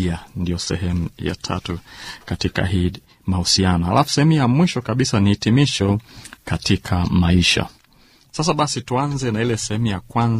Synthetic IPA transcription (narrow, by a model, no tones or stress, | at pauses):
andijɔsɛ̰ɦɛmuja̰tʰa̰tukatika̰ɦiː | mahusianɔha̰lʔafu̥sɛhɛmujamwiʃɔkaɓisaniːtimiʃɔkatikʰamaiʃa̰ | sas̬aɓasituanzɛnailɛsɛhɛmujakwanz